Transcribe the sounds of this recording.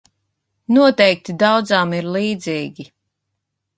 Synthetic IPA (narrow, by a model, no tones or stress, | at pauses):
nuɔt̪ɛjk̚t̪id̪awd̪zaːmiɾliːd̪ziːɡʲi